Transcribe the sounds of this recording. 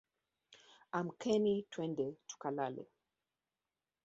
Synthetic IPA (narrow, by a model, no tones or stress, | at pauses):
amkʰɛnitʰwɛndɛtu̥kalalɛ̰